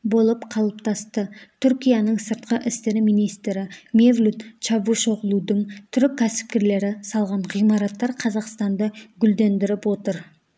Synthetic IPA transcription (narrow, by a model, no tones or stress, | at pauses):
bo̞lˠəpqʰɑlˠəp̚t̪ʰɑst̪ət̪ʰʏɾkʲijɑnəɴsəɾt̪qəʔɪst̪e̞ɾɪmijnijst̪ɾɪmevlʲut̪t͡ʃɑbuʃo̞ʁəlˠud̪əɴt̪ʰʏɾɪkʲʰːæsɪ̥p̚kʲe̞ɾle̞ɾɪsɑlˠʁɑɴʁijmɑɾɑt̪ːɑɾqʰɑzɑqst̪ɑnd̪ɑɡʲʏld̪e̞nd̪ɪɾɪpwo̞t̪əɾ